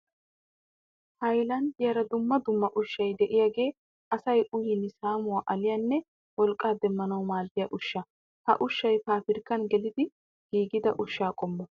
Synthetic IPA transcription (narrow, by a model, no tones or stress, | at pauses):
hɐjlɐnjɐɾɐd̪ʊmːɐd̪ʊmːɐʔʊʃːɐjd̪ɛʔɪjaːɡe̞ː | ɐsɐjʊjɪnsaːmʊwaːʔɐlɪjɐnːɛ | wɔlkʼːaːd̪ɛmːɐnɐwmaːd̪ːɪjɐʔʊʃːɐ | hɐ̰ʔʊʃːɐjpaːfɪɾkːɐnɡɛlɪd̪ɪ | ɡ̥iːɡɪd̪ɐʔʊʃːaːkʼɔmːɔ